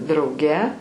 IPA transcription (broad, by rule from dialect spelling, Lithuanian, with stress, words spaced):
drɐʊˈɡʲɛ